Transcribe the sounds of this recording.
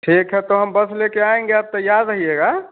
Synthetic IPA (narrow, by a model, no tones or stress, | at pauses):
ʈʰikɦɛt̪oɦəmbəsʰlekeaẽŋɡeəb̚t̪əjad̪ɾəɦieɡa